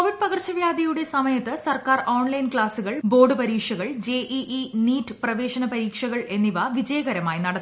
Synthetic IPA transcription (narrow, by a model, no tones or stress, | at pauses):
koʋiɖ̚pɐɣɐrt͡ɕːɐʋjaːd̪ɐjuɽe̞sɐmɐjɐt̪ːɨsɐrkaːroːɳlɐjnkɭaːsuɣɐɭbo̞ːrɖɨpɐɾiːkʂɐɣɐɭd͡ʑe̞ːʔiʔiniːtːɨprɐʋe̞ːʂɐnɐpɐɾiːkʂɐɣɐɭe̞nːiʋɐʋid͡ʑɐjɐɣɐɾɐmaːjinɐɽɐt̪ː